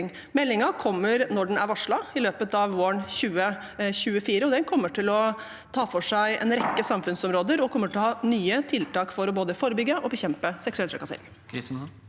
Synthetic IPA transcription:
ŋ | mɛlːɪŋɑkʰɔmːəɾnɔɖɛnæɾʋɑʂɭɑɪløːpət̪ɑʋʋoːəɳçʉːə | çʉːəfiːɾəɔd̪ɛnkʰɔmːəʈʰɪlɔ | t̪ʰɑːfɔʂæɪʔɛ̰nɾɛkːəsɑmfʉnsɔmɾoːd̪əɾɔkʰɔmːəʈɪlhɑːnyːət̪ʰɪlt̪ʰɑːkfɔɾɔboːd̪əfoːɾəbʏɡːəʔɔbəçɛmpəsɛksʉɛlt̪ʰɾɛ̰kɑsḛɾɪ̰ŋ

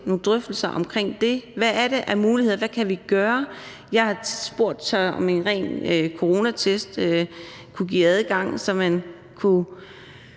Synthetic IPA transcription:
no̝ːd̥ʁœfd̥l̩sɐʔɒ̽mkʰʁeŋ̰d̥e̝ʋæːɐɾe̝ʔæɐmuːliheð̰ˠɐʋækʰæʋiɡ̥ɶːɐ | jɑ̈ɪhɑ̈sb̥o̝ɐ̰d̥sɑ̈ɪɒ̽me̝nʁɛ̰ːnøkʰo̝ʁo̝ːnæt͡sʰesd̥ø | kʰuɡ̥ḭːæðˠəɡ̥ɑ̈ŋ̰sɒ̽mæn | kʰu

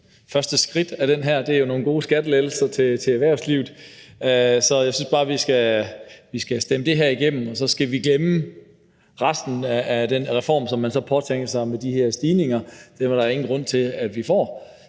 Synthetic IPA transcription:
fɶɐsd̥əsɡ̥ʁid̥æɾ̥enɦæɐ̰d̥e̝æɐjo̝no̝ːn̩ɡ̥o̝ːsɡ̥æd̥lelsɐt͡sʰe̝t͡sʰe̝æʋæɐ̰sliːʊð̩ˠ | sɒ̽jäɪsynsb̥ɑ̈ːʋisɡ̥æʋisɡ̥æsd̥eməd̥e̝ɦæɐ̰iɡ̥em̰m̩ɒ̽sɒ̽sɡ̥æʋiɡ̥lemə | ʁɑsd̥n̩æːd̥enʁɛfɒ̰ːmsɒ̽mːænsɒ̽pʰɒ̽t͡sʰeŋɡ̥ɐsɑ̈ɪmed̥ihæɐ̰sd̥iːne̝ŋɐd̥emæɐɾɑ̈e̝ŋn̩ɡ̥ʁɔ̽n̰t͡sʰe̝lædʋifɒ̰ː

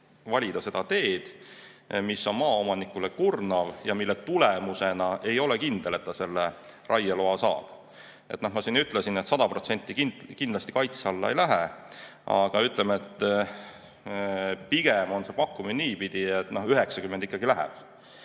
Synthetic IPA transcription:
vɑlʲid̪ɑse̞d̪̥ɑt̪e̞ːd̪̥ | misːo̞nmɑːo̞mɑnikulekurnɑvjɑmilːet̪ulemuse̞nɑe̞jo̞lekind̪̥e̞le̞t̪ːɑse̞lːe | rʔɑjːɑloɑsɑ̰ːb̥ | e̞t̪ːnohmɑsiːnyt̪ːˑlesinet̪sɑd̪̥ɑpro̞t̪se̞nʲt̪ˑːikinkind̪lɑst̪ikɑjt̪sɑlːɑ̰ejlæɦɛ | ɑ̰ɡ̥ɑyt̪ˑlemet̪ːˑ | piɡ̥emo̞nse̞pɑkːuminiːpid̪̥iet̪ːno̞hyɦe̞ksɑkymːend̪ikːˑɑɡ̥ilæɦɛ̰b̥̚

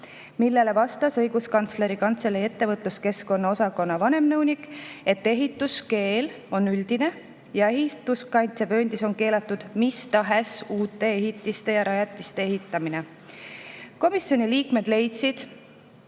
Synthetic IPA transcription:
milːe̞le̞vɑst̪ɑsɤ̞jɡ̥uskɑnt̪sle̞ɾikɑnt̪se̞lːee̞t̪ːe̞vɤt̪ˑluske̞sko̞nːɑo̞sɑko̞nːɑvɑne̞mnɤwnʲikˑe̞t̪ːe̞ɦit̪ːˑuske̞ːl | o̞nːyld̪̥ine̞ | jɑe̞ɦit̪uskɑjnt̪se̞pø̞ːnd̪̥iso̞nke̞ːlɑt̪ːˑud̪̥mist̪ɑɦesuːt̪ːˑe̞e̞ɦit̪ːˑist̪e̞jɑɾɑjɑt̪ʲːˑist̪e̞eɦit̪ːˑɑmine̞ | ko̞misjo̞nʲiliːkme̞d̪̥le̞jt̪sid̪̥

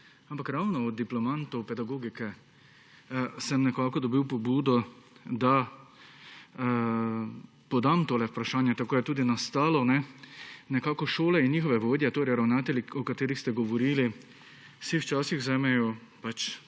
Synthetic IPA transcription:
ampakɾawnɔɔd̪̚d̪ːiplɔmant̪ɔwpɛd̪aɡoːɡikɛ | sɛmnɛkaːkɔd̪ɔbiwpɔbuːd̪ɔd̪a | pɔd̪amt̪oːlɛwpɾaʃaːnjɛt̪akoːjɛt̪uːd̪inast̪aːlɔnɛnɛkaːkɔʃoːlɛinːjiːxɔʋɛʋoːd̪jɛt̪oːɾɛjɾawnaːt̪ɛlʲiɔkat̪eːɾixst̪ɛɡɔʋɔɾiːli | siwt͡ʃaːsixzɛːmɛjɔ | pat͡ʃ

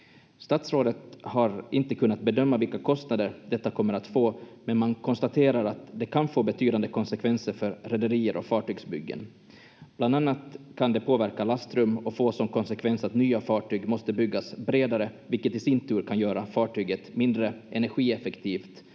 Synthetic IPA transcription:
st̪at̪sɾoːd̪ət̪haɾɪnt̪əkʰɵnːat̪̚bɛd̪œmːavɪlkakʰɔst̪nad̪əɾd̪ɛt̪ːakʰɔmːəɾat̪foːmɛnmankʰɔnst̪at̪ʰeːɾaɾat̪d̪ɛkʰanfoːbɛt̪ʰyːd̪and̪əkʰɔnsɛkʰvɛnsəɾfœɾɾɛd̪əɾiːəɾʔɔ̰kfɑːʈyːɡsbʏ̰ɡːə̰n | b̥land̪anːat̪kʰand̪ɛpʰoːvæɾkalast̪ɾɵmɔfoːsɔmkʰɔnsɛkʰvɛnsat̪nyːafɑːʈʰyːɡmɔst̪əbʏɡːasbɾeːd̪aɾəvɪlkət̪ɪsɪnt̪ʰʉ̟ːɾkʰanjœːɾafɑːʈyːɡət̪mɪnd̪ɾəʔɛnæɾɧiːɛfɛkt̪ʰiːft̪

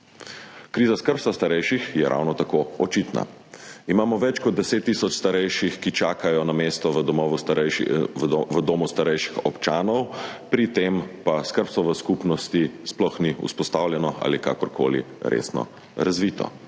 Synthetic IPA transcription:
kɾiːzaskəɾpsast̪aɾɛjʃixjɛɾʔa̰wnɔt̪akoɔt͡ʃit̪na̰ | imaːmɔʋɛt͡ʃkɔd̪̚d̪ɛseːt̪ːiːsɔt͡ʃst̪aɾɛjʃixkit͡ʃaːkajɔnameːst̪ɔʋ̪ɔmɔʋust̪ɛ | ʋəd̪oːmust̪aɾɛjʃi̥xɔpt͡ʃaːnɔwpɾit̪empaskəɾpsɔʋəskupnɔst̪isplɔxniṵspɔst̪awljɛnɔa̰ːlika̰ːkɔɾkʰo̰ːlḭɾʔḛsnɔ̰ | ɾazʋiːt̪ɔ̰

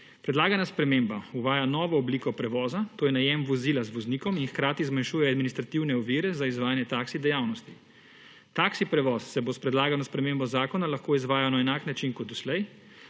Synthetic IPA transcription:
pɾɛd̪laːɡanaspɾɛmeːmbauʋaːjanɔːʋɔːbliːkɔpɾɛʋɔːzat̪oːjɛnajɛmʋɔziːlazʋɔzniːkɔminxkɾaːt̪izmanʃuːjɛad̪minist̪ɾat̪iwnɛɔʋiːɾɛzaizʋaːjanjɛt̪aksid̪ɛjawnɔst̪i | t̪aksipɾɛʋɔːsːɛbospɾɛd̪laːɡawnaspɾɛmembɔzaːkɔnalaxkoːizʋaːjanaɛnaːknat͡ʃinkɔd̪d̪ɔslɛj

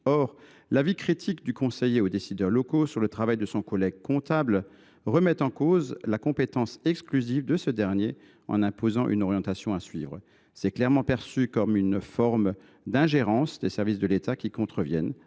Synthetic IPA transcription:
ɔʁ | lavikχit̪ʰikd̪ykɔ̃sɛjeod̪esid̪œʁlɔkosyʁlət̪χavajd̪əsɔ̃kɔlɛɡ̚kɔ̃t̪abl | ʁəmɛt̪ɑ̃kozlakɔ̃pet̪ɑ̃sɛksklyzivd̪əsəd̪ɛʁnje | ɑ̰̃nɛ̃pozɑ̃ʔy̰nɔʁjɑ̃t̪asjɔ̃asɥḭːvʁə | sɛklɛʁmɑ̃pɛʁsykɔmynfɔʁm | d̪ɛ̃ʒeʁɑ̃sd̪esɛʁvis̬d̪əlet̪akʲikɔ̃t̪χəvjɛn

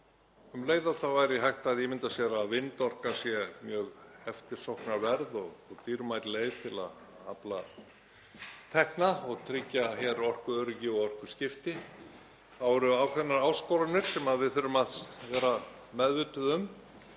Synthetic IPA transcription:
ʏmleːjðaθavajɾɪɦajht̪aðimɪnt̪asjɛɾaðvɪnt̪ɔr̥kasjɛmjœːɣhɛft̪ɪ̥sɔwhknaɾvɛɾðɔɣɔɣt̪iːɾmajt̪leːjðt̪ʰɪla̰ð | a̰pla̰ | t̪ʰɛhknaɔɣt̪ʰɾɪcːaçɛɾɔr̥kʏœːɾʏcɪɔɣɔr̥kvʏ̥scɪft̪ɪ | awɾʏawkʰvɛnːaɾaːwskowɾanɪɾ̥sɛmaðvɪðθʏɾːʏmaðsvɛːɾa | mɛðvʏt̪ʏðʏm

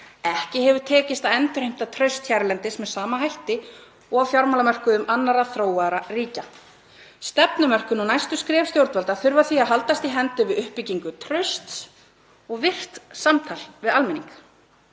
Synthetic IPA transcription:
ɛhcɪɦɛvʏ̥t̪ʰɛːcɪst̪aðɛnt̪ʏɾ̥hejm̥t̪at̪ʰɾœɥst̪çɛɾlɛnt̪ɪsmɛsaːmanɦajht̪ɪ | ɔɣafjaɾmalamœr̥kʏðʏmanːaɾaθɾoːwaðɾariːca | st̪ɛpnʏmœr̥kʏnuwnajst̪ʏskɾɛːfst̪jowɾt̪vɛlt̪aðθʏɾvaθiaðɦalt̪ast̪iɦɛnt̪ʏvɪðʏhpiciŋkʏt̪ʰɾœɥst̪s | ɔɣvɪr̥t̪samt̪ʰalvɪðalmɛniŋk

